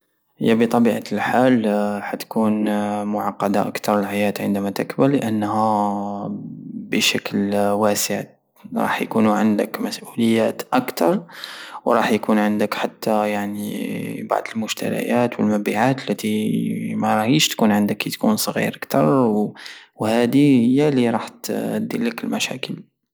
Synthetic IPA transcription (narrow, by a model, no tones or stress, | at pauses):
hə̰jːæbit̪ˤɑbiːʕalħaːlħat̪kuːnmʊʕɑqːɑd̪aʔakt̪ɑɾˤəlħajæt̪ʕənd̪æmat̪əkbəllːəʔənːhæ | bəʃæklwæsəʕ | ɾˤɑ̰ːħjkunuʕənd̪əkmæsʔuləjːæt̪ʔakt̪ʰɑɾˤwɾˤɑːħjkunʕənd̪əkħat̪ːajaʕniba̰ʕd̪əlmʊʒt̪æ̰ɾa̰jæt̪wəlmæbiʕat̪əlːæt̪imæɾˤɑhiʃt̪kunʕənd̪əkːit̪kunsˤɣḭɾʔakt̪ɑɾˤwwhæd̪ihəjːaliɾˤɑħt̪d̪ːiləkəlmæʃæ̰kəl